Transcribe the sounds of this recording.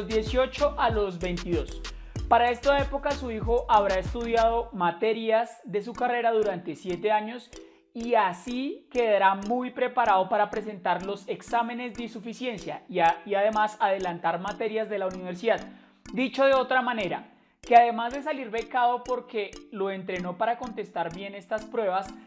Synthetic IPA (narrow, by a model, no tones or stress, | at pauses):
zd̪je̞sjo̞t͡ʃo̞ʔalo̞zbe̞jnt̪iðo̞s | paɾae̞st̪ae̞po̞kasuixo̞ʔaβɾae̞st̪uðjað̞o̞mat̪e̞ɾjazd̪e̞s̬ukare̞ɾaðuɾant̪e̞sje̞t̪e̞aɲo̞s | iasike̞ðaɾamujpɾe̞paɾaðo̞paɾapɾe̞s̬e̞nt̪aɾlo̞se̞ksame̞ne̞zd̪eisufisje̞nsja̰iaðe̞masað̞e̞lant̪aɾmat̪e̞ɾjazd̪e̞launiβeɾs̬iðað | d̪it͡ʃo̞ðe̞o̞t̪ɾamane̞ɾa̰ | ke̞aðe̞mazd̪e̞s̬aliɾβe̞kaðo̞po̞ɾke̞lo̞ent̪ɾe̞no̞paɾako̞nt̪e̞st̪aɾbje̞ne̞st̪aspɾwe̞βas